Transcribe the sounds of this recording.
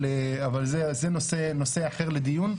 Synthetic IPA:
leavalzezenoseno̞se̞aχeʁled̪ijun

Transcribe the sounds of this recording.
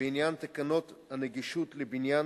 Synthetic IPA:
injant̪akano̞t̪haneɡiʃut̪lebinjan

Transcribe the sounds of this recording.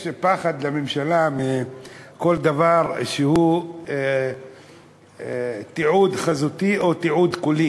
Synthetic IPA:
jʃpaχad̪lamemʃalameko̞ld̪avaʁʃehu | t̪iʕud̪χazut̪iʔo̞t̪iʕud̪kuli

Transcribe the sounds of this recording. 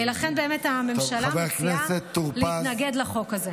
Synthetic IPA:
ilaχenbe̞ːmetame̞mʃalabeakneset̪ːuʁliiatnaɡedlaχo̞kaze

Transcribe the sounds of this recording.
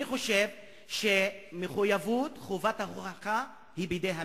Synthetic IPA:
iχo̞ʃev | ʃemeχujavutχovathaχʁaχa | hibejdejɦa

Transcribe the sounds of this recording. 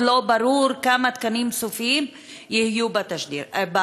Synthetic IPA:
lobaɾuɾkamat̪kanimsufiim | jihjubat̪aʃd̪ḭɾba

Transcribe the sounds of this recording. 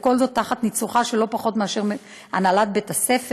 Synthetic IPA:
ko̞lzo̞t̪ːaχat̪nit͡suχaʃelo̞paχo̞tmeaʃe̞ʁm | a̰nalat̚betasef

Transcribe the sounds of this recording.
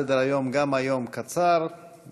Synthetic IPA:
ed̪əɾajomɡamajomkat͡saɾ

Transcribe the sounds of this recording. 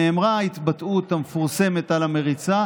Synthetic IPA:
eːmʁait̪bat̪ut̪amefuʁse̞me̞t̪alame̞ʁit͡sa

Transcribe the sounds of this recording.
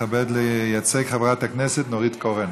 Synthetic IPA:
abed̪lejat͡seɡχavʁat̪hakneset̪noʁit̪koʁen

